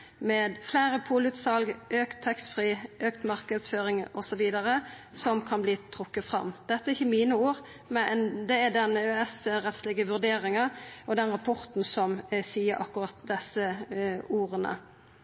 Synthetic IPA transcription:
meːd̪flæːɾəpʰuːlʉːt̪sɑlɡʔøːkt̪ʰːɛkst̪fʁiːʔøːkt̪mɑʁkəd̪sføːɾɪŋɔsɔʋiːd̪əʁəsɔmkʰɑnbliːt̪ʰɾʊkːəfʁɑ̰mːd̪ɛt̪ːəɛɾɪçəmiːnəuːʁ | mɛd̪ɛɛd̪ɛnəøɛsɾɛt̪slɪɡəʋʉʁd̪eːɾɪŋɑʔɔd̪ɛnɾɑpʰɔɾt̪n̩sɔmsiːəɾʔɑkːʊʁɑt̪̚d̪ɛsːəuːʁənə̰

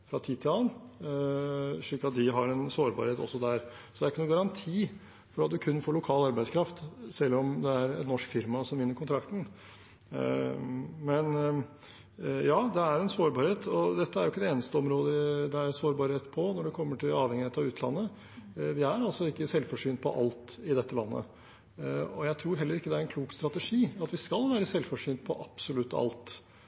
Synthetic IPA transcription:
fɾɑt̪ʰiːt̪ʰɪlɑn | ʂɭiːkːɑt̪̚d̪ɪɦɑɾɛnsoːɾbɑ̰ːɾheːt̪ɔ̰sːɔd̪æɾ | sɔd̪ɛæɾɪkːənuːɡɑɾɑnt̪ʰiː | fɔɖɑːt̪d̪ʉkʰʉnːfoːɭʊkʰɑːlɑɾbæɪskʰɾɑft̪sɛlːɔmd̪ɛæɾɛ̰nnɔʂkfɪɾmɑsɔmʋɪnːəɾkʰʊnt̪ʰɾɑkt̪ən̩ | mɛn | jɑːd̪ɛæɾɛnsoːɾbɑːɾheːt̪ʰɔd̪ɛt̪ːəæɾjʊɪkːəd̪ɛeːnəst̪əɔmɾoːd̪əd̪ɛæɾnsoːɾbɑːɾheːt̪pʰɔnɔɖɛkʰɔmːəʈʰɪlɑːʋhɛŋːɪheːt̪ɑʋʉːt̪ʰlɑ̰nːə | ʋɪæɾɑlsɔɪkːəsɛlfɔʂyːnt̪̚pʰɔ̰ʔɑlt̪ɪd̪ɛt̪ːəlɑnːə̰ | ɔjæɪt̪ʰɾuːɾɦɛlːəɾɪkːəd̪ɛæɾɛnkʰluːkst̪ɾɑt̪ɛʂiːɑt̪ʋɪskɑlʋæːɾəsɛlfɔʂyːnt̪̚pʰɔʔɑpsɔlʉt̪ːɑ̰lt̪

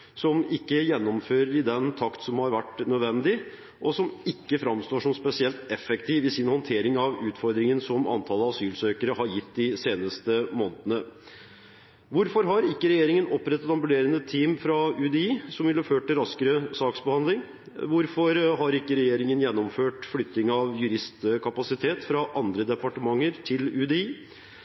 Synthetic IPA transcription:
sɔmɪkːəjɛnːɔmføːɾəɾɪd̪ɛnt̪ʰɑkt̪sɔmhɑɾʋæʈːnœd̪ʋɛnd̪ɪ | ʔɔsɔmɪkːəfɾɑmst̪oːʂɔmspɛsɪɛlt̪ɛfɛkt̪ʰiːʋɪsɪnhɔnt̪ʰeːɾɪŋɑʋʉːt̪fɔɾd̪ɾɪŋənsɔmɑ̰nt̪ʰɑlːˠəɑsyːlsøːkəɾəɦɑɾjɪt̪ːd̪ɪseːnəst̪əmoːnət̪ənə | ʋʊɾfɔɾɦɑɾɪkːəɾɛjeːɾɪŋənɔpːɾɛt̪ːət̪ɑmbʉleːɾənət̪ʰiːmfɾɑʉd̪eːiːsɔmʋɪlhɑføːʈːɪlɾɑskəɾəsɑːksbəhɑnd̪lɪŋ | ʋʊɾfɔɾɦɑɾɪkːəɾɛjeːɾɪŋənjɛnːɔmføːʈflʏt̪nɪŋəɑʋjʉɾɪst̪kʰɑpɑsɪt̪ʰeːt̪fɾɑʔɑnd̪ɾəd̪ɛpɑʈəmɑŋːəɾt̪ʰɪlʉːd̪eiː

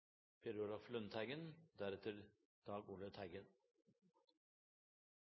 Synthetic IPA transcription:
pʰeɾolɑflœnt̪ʰæɪɡənd̪æɾɛt̪ʰəɾ | d̪̥ɑːɡuːlət̪ʰæɪɡən

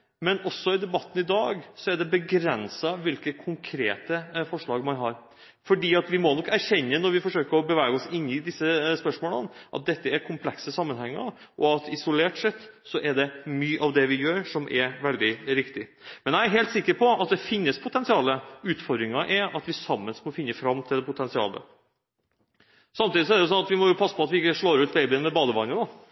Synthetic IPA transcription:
mɛnɔsːɔɪd̪ɛbɑt̪ːən̩ɪd̪ɑːɡsɔæɖɛbəɡɾɛnsɑʋɪlkəkʰʊŋkʰɾḛːt̪əfɔʂɭɑːɡmɑnɦɑːɾ | fɔɖiːɑt̪ʋɪmɔnɔkːæɾçɛnːənɔɾʋɪfɔʂøːkəɾɔbəʋæːɡəɔsɪnːɪd̪ɪsːəspœʂmoːlə̰nʔɑt̪̚d̪ɛt̪ːəæɾkʰʊmpʰlɛksəsɑmːənhɛŋːə̰ɾʔɔɑt̪ɪsʊleːʈsɛt̪ːsɔʔɛɖɛmyːʔɑʋd̪ɛʋɪjøːɾʂɔmʔɛɾʋɛld̪ɪɾɪkt̪ɪmɛnjæɪæɾɦeɪlt̪sɪkːəɾpʰɔɑt̪̚d̪ɛfɪnːəspʰʊt̪ʰɛnsɪɑːləʉːt̪fɔɾd̪ɾɪŋɑʔɛɾɑt̪ʋɪsɑmːənsmɔfɪnːəfɾɑmt̪ʰɪld̪ɛpʊt̪ʰɛnsɪɑ̰ːlə̰ | sɑmt̪iːd̪ɪsɔɛdɛjʊsɔnɑt̪ʋɪmɔjʊpʰɑsːə̥pʰɔɑt̪ʋɪɪkːəʂɭoːɾʉːt̪̚beɪbɪənmɛbɑːd̪əʋɑnəd̪ɔ

